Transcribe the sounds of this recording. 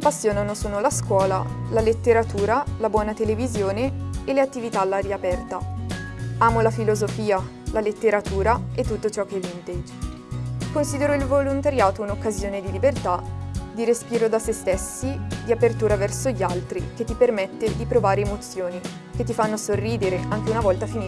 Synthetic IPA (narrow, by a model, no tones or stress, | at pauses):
apːasːjoːnanosoːnolaskwɔːla̰lalet̪ːeɾat̪uːɾalabwɔːnat̪elevizjoːneːleat̪ːivit̪alːaɾiapɛrt̪a | aːmolafilozofiːa | lalet̪ːeɾat̪uːɾaet̪ːut̪ːot͡ʃɔkːevint̪ed͡ʒ | konsiːd̪eɾoilvolont̪aɾjaːt̪ounokːazjoːned̪ilibert̪ad̪iɾespiːɾod̪asest̪esːid̪iapert̪uːɾavɛrsoʎːalt̪ɾik̟et̪ːipermet̪ːed̪ipɾovaːɾeːmot̪sːjoːni | k̟et̪ːifanːosorːiːd̪eɾeʔaŋk̟eunavɔlt̪afini